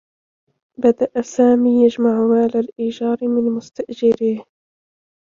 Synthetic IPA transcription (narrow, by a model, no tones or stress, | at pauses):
bad̪aʔasaːmiːjad͡ʒmaʕmaːlalʔɪd͡ʒɑːɾmɪnmʊst̪aʔd͡ʒɪɾiːh